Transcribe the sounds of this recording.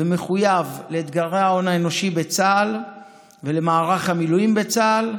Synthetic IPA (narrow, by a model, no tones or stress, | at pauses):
eme̞χujavleit̪ɡaʁeao̞naeno̞ʃibe̞t͡sal | vele̞maːʁaχhamiluimbet͡sal